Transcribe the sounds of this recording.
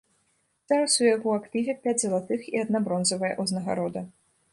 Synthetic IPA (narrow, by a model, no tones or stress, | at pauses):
z̥aɾɐsujaɣɔakt̪ɨvʲɛpʲad͡zʲzɐlˠat̪ɨxiad̪̚nabɾɔnzɐvɐjɐ̰ʔuznɐɣa̰ɾɔd̪ɐ